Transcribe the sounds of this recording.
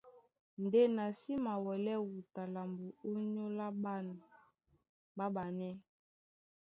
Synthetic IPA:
nde˦na˨si˦ma˨wɛ˨lɛ˦wu˨ta˨la˨mbo˨o˦ɲo˦la˦ba˦n˨ | ba˦ba˨nɛ˦

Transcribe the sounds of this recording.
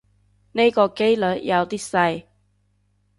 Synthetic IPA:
ne˥˧kɔ˧ke˥jlə˨˦nja˨˧wt̪i˥sa˧j

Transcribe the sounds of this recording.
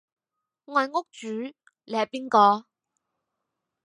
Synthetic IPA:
ŋɔː˨˧jŋʊ˥k̚t͡ʃyː˨˥ | le˨˧hɐ˨piː˥nkɔː˧

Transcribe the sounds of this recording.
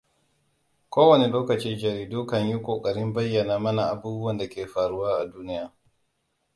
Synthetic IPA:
kʷoː˦wɐ˨ni˨loː˦kɐ˨t͡ʃiː˦d͡ʒɐ˨ɾiː˨duː˦kɐ˨ɲju˦kʷoː˨kʼɐ˨ɾɪ˦mbɐ˦jːɐ˨naː˨mɐ˦na˨ʔa˨buː˦bʊ˦wɐ˨nda˨kʲeː˨ɸaː˨ɽu˦waː˦ʔa˨duː˦nɪ˦jaː˨

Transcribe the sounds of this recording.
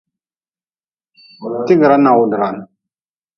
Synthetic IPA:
ti˦ɡə˨ɾa˦na˨wu˨dɾa˨n

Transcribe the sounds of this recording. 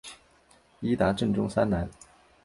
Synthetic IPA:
i˥t̪a˧˥ʈ͡ʂɤ˥˩ŋʈ͡ʂʊ˥ŋsa˥nna˧˥n

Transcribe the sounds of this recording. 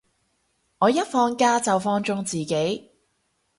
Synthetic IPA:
ŋɔː˨˧jɐ˥t̚fɔː˧ŋkaː˥t͡sɐ˨wfɔː˧ŋt͡ʃʊ˧˥ŋt͡siː˨ke˨˥j

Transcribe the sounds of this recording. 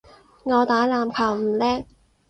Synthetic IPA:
ŋɔː˨˧t̪aː˨˥laː˨mkʰaː˨˩wm̩ː˨˩lɛː˥k̚

